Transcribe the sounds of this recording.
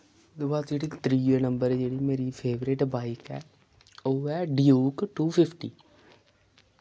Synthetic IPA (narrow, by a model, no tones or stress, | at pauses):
d̪baːt̪d͡ʒeːɽikt̪ɾiːjənəmbəɾd͡ʒeːɽiːmeːɾiːpʰeːʋɾɪʈbaːɪkɛ̰ː | oːɛːɖijuːkʈuːpʰɪpʰʈiː